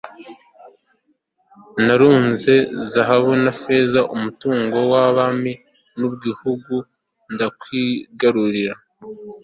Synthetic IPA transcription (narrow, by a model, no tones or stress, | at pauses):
naɾuːnze̞zaɦaβonafezaʔumutuːŋɡo̞waβami | nubɡihuɡu | ndakwiːɡaɾuɾiɾa